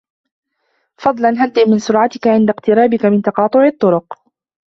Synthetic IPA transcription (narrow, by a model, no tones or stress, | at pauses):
fɑd̪ˤlɑnɦant̪ɪʔmɪnsʊɾʕat̪ɪkaʕɪnd̪aqt̪ɪɾaːbɪkamɪnt̪ɑqɑːt̪ˤʊʕɪt̪ˤːʊɾʊq